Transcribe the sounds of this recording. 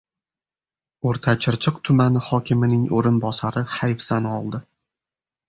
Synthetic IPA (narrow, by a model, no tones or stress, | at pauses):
oɾt̪ʰat͡ʃʰɪɾt͡ʃʰɨqt̪ʰʊmanɪhɒkʲʰɪmɪnɪŋoɾɪnbɒsaɾɪhajfsanɒlˠd̪ɪ